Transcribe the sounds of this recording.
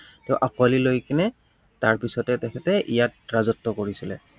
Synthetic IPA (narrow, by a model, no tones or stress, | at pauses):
tɛʊʔakwalilojkinɛ | taɹpisɔtɛtɛkʰɛtɛʔijat̚ɹazɔtːɔkoɹisilɛ̰